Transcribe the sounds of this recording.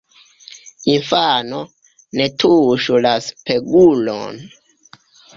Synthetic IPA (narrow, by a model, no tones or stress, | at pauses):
infano | netʰuʃulaspeɡulo̰n